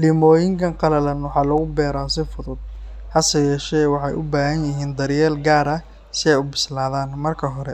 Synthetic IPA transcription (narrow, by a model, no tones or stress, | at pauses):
lɪmɔːjɪŋkʰɐŋqɑlɐlɐnwɑħɑːlɐɣʊbɛːɾaːsɪfʊðʊd̪̚hɐsɐjɛːʃɛwɑħɑjʔʊbaːɦɐnjɪɦiːnd̪ɐɾjɛːlɡaːɾɐ | sɪɛjʊbɪslaːðaːnmɐrkʰɐɦɔɾɛ